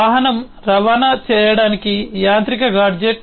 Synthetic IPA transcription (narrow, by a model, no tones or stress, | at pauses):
aːɦɐnɐm | ɾɐʋaːnɐt͡ʃɛːjɐɽaːnikijaːnt̪ɾikɐɡaːɾd͡ʒeʈ